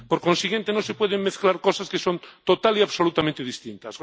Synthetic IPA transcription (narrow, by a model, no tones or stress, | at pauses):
poɾkonsiɣje̞nt̪enosepweð̞eŋmeθklaɾkosaskesont̪ot̪aliaβsolut̪amẽnt̪eðist̪ĩnt̪as